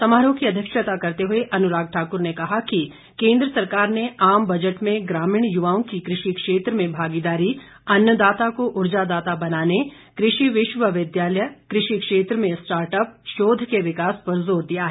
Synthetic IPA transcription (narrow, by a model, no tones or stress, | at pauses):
sɐmaːɾõkiɐd̪ʱjəkʃət̪akɐɾt̪eɦʊeʔɐnʊɾaːɡ̚ʈʰaːkʊɾnekɐɦaki | kẽːnd̪ɾəsɐɾkaːɾneaːmbɐd͡ʒəʈmẽɡɾaːmiːɽ̃jʊʋaːõkikɾɪʃikʃeːt̪ɾəmẽbʱaːɡid̪aːɾi | ɐnjəd̪aːt̪akoʔʊɾd͡ʒad̪aːt̪abɐnaːne | kɾɪʃiʋɪʃʋəʋɪd̪jaːləjəkɾɪʃikʃeːt̪ɾəmẽsʈaːɾʈəp̚ʃoːd̪ʱkeʋɪkaːspɐɾzoːɾd̪ijaɦɛ